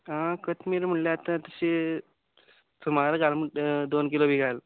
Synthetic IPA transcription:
ãkət̪miɾm̤əɳljat̪at̪əɕe | t̪ʰumaɾəɡalməʈd̪onk̬ilobʱiɡal

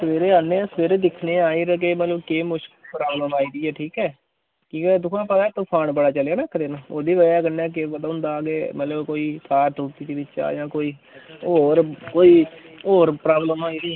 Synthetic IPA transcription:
səʋeːɾeːaːnːẽːsəʋeːɾeːd̪ɪkʰneːaːiːɾəɡeːmət̪ləbkeːmʊʃkɪlpɾaːbləmaːiːd̪iːɛːʈʰiːkɛː | kiːkɛːd̪ʊkʰãːpət̪aːɛːt̪ʊpʰaːɳbəɽaːt͡ʃəleaːnãːkʰəɾeːnãːoːd̪iːʋəaːɡənːɛːk̬ebəd̪aːɦʊ̃nd̪aːɡeːmət̪ləbkoːiːt̪ʰaːɾt̪uːt̪iːd͡ʒ̪iːbɪt͡ʃːa̰ːjãːkoːiː | oːɾkoːiːoːɾpɾaːbləmaːiːd̪iːɛː

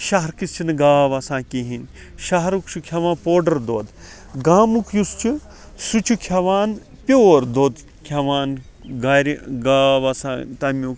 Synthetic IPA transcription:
ʃɐɦɐɾkist͡ʃʰinɨɡaːʋɐsãːkiɦin | ʃɐɦɐɾukt͡ʃʰukʰɐʋãːnpoːɖɐɾd̪oːd̪ | ɡaːmukʰjust͡ʃʰu | sut͡ʃʰukʰɐʋaːn | pʲjoːɾd̪oːd̪ | kʰɐʋaːn | ɡaːɾiɡaːʋɐsãːt̪ɐmuk

